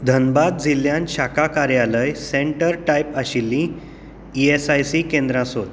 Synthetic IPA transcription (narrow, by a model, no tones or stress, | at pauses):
d̪ʱənbad̪̚d͡zilːjãnɕakakaɾjaləjsẽɳʈəɾʈajpaɕilːĩ | iesajsikẽnd̪ɾãsɦot̪